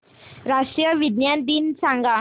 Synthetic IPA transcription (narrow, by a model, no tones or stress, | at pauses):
ɾaʂʈɾijəʋid̪njant̪insãŋɡa